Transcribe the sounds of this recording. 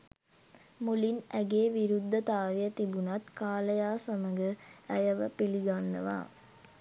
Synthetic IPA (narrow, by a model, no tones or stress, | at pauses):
mulinæɡeːʋiɾud̪ʱːɐt̪aːʋjɐt̪ibunɐt̪kaːlɐjaːsɐmɐŋɡəæjɐʋɐpiliɡanːɐʋa̰ː